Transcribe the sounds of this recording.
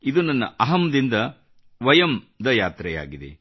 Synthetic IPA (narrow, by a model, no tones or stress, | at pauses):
id̪unɐnːɐ̰ʔɐɦɐmd̪ind̪ɐ | ʋɐjɐm | d̪ɐjaːt̪ɾɛja̰ːɡid̪ḛ